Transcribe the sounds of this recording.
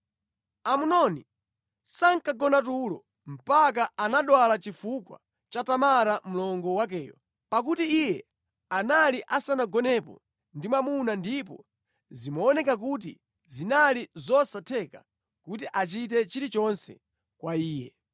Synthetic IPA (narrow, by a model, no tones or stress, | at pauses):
amunɔni | saŋkaɡɔnatulɔ | m̩pak̬aanaɗwalat͡ʃifukwa̰ | t͡ʃatamaɾam̩lɔŋɡɔwak̬ɛːjɔ̰ | pak̬utiijɛ | analiʔasanaɡɔnɛpɔ̰ | ndimwamunandipɔ̰ | zimaɔnɛkak̬ut̬ḭ | zinalizɔsatʰɛka | kutiʔat͡ʃit̬ɛt͡ʃiɾit͡ʃɔnsɛ̰ | kwaiːjɛ̰